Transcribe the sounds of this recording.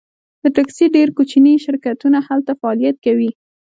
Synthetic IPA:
d̪̥əʈaksiɖeɾkut͡ʃiniʃɪɾkat̪unahalt̪afaɑlijat̪̚kawi

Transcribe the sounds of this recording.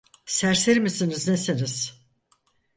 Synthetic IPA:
sæɾseɾmisiniznesiniz̥

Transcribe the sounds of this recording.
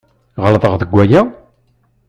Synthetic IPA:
ʁəlðˤəʁðəɡʷæjæ

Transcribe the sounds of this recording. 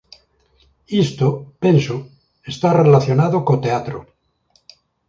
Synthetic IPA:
ist̪openso | est̪arelaθjo̞naðokot̪eat̪ɾo

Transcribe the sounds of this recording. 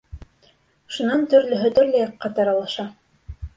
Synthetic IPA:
ʃunɑnt̪ɵ̆ɾlɵ̆ɦɵt̪ɵ̆ɾlæjɑqːɑt̪ɑɾɑlˠɑʃɑ

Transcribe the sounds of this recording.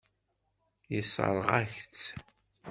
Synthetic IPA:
jisˤə̰ɾˤʁæçt͡s

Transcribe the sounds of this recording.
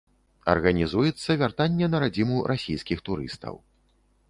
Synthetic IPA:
ɐ̰rɣɐnʲizujɛt̪sːɐvʲart̪anʲːɛnɐɾad͡zʲimuɾʔasʲijskʲixt̪uɾɨ̰st̪ɐ̰w

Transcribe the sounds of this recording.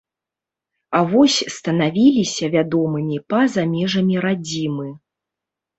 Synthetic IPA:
avɔsʲst̪ɐnavʲilʲisʲɐvʲad̪ɔmɨmʲipɐzamʲɛʐɐmʲiɾad͡zʲimɨ

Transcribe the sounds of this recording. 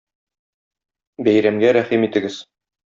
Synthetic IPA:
bæjɾæmɡæɾæχimit̪ɘ̆ɡɘz

